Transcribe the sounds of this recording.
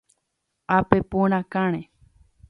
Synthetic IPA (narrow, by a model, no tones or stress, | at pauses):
apepũɾ̃ãkãɽ̃ẽ